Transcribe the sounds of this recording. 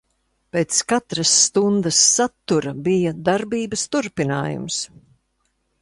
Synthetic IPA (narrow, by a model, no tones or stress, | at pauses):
peːt̪skat̪ɾɐsːt̪und̪ɐsːat̪ːuɾɐbijɐd̪aɾbiːbɐst̪uɾpina̰ːjṵms